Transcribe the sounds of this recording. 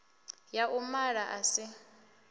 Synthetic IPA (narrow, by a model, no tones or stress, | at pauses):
jaʔumaɺaʔasɪ